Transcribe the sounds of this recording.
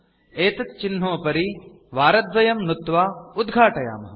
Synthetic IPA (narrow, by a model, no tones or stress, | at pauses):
eːt̪ɐt̪̚t͡ʃin̤ːoːpɐɾi | ʋaːɾɐt̪ʋɐjɐmnut̪ːʋaːud̪ɡʱaːʈɐja̰ːmɐɦɐ